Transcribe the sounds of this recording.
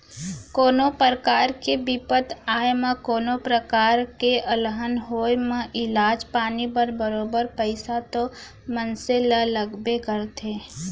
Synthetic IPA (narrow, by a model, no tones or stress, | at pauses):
koːnopəɾəkaːɾkebipət̪aːjemãkoːnopɾəkaːɾkeʔəlɦənɦoːjmə̃ʔɪlaːd͡ʒpaːnibəɾbəɾoːbəɾpəɪsat̪o | mənselələɡbekəɾt̪ʰẽː